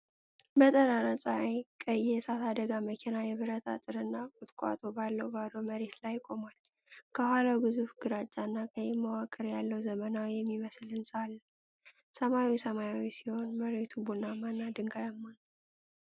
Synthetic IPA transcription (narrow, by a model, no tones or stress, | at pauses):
mət̪ʼəɾaɾəsʼajkʼəjɛjɛsat̪ad̪əɡaməkʰinajɛβɨɾət̪ʰa̰t̪ʼɨɾɨnːakʼʊt̪ʼkʼa̰t̪ʼo̞balːəwbalowməɾe̞t̪lajːkʼo̞mal | kʰəɦʷalawbɨzufɡɨɾat͡ʃʼːanːakʼəjɛməwakʼɨɾjalːəwzəmənawjɛmːiməslɨnsʼalː | səmawisəmajawisiho̞nməɾe̞t̪ʰubunamanːad̪ɨŋɡajamːan